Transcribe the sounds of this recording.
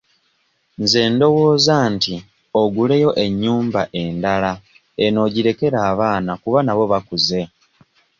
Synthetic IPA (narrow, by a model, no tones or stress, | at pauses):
nze̞ːndo̞wo̞ːzanti | oɡule̞jo̞ʔe̞ɲːuːmbaʔe̞ndala | eno̞ɟiɾe̞ke̞ɾaːβaːnakuβanaβo̞βakuze̞